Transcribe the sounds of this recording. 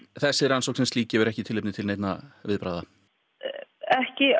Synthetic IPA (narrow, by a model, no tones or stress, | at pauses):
θɛsːɪɾansowknsɛmsiːcɛːvʏɾɛhcɪt̪ʰɪlejpnɪt̪ʰɪleːjt̪navɪðpɾa̰ːða | ɛhcɪ